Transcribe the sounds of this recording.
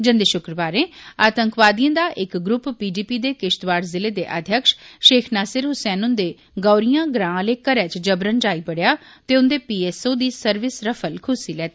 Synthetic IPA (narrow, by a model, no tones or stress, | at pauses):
d͡ʒə̃nd̪eːʃʊkɾəʋaːɾẽːaːt̪əŋkʋaːd̪ijãːd̪aːʔɪkɡɾʊppiːɖiːpiːd̪eːkɪʃt̪ʋaːɾzɪleːd̪eːʔə̰d̪ʱjəkʃʃeːkʰnaːsɪɾɦʊsɛːnʊ̃nd̪eː | ɡɔːɾijãːɡɾãːleːkəɾɛːt͡ʃd͡ʒəbɾənd͡ʒaːiːbəɽjaːt̪eːʊnd̪eːpiːeːsoːd̪iːsəɾʋɪsɾəpʰəlkʰʊsiːlɛːt̪i